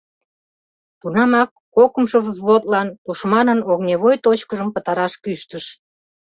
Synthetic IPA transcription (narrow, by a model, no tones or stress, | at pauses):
t̪unɑmɑkːokəmʃovzβot̪lɑnt̪uʃmɑnənoɣnʲeβojt̪ot͡ɕkəʒəmpət̪ɑɾɑʃkyʃt̪əʃ